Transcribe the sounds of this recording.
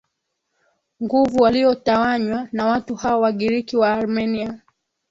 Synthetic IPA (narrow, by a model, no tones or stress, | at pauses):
ŋɡuvuwaliɔtawaɲwanawatuhaɔwaɠiɾikiwaːɾmɛnia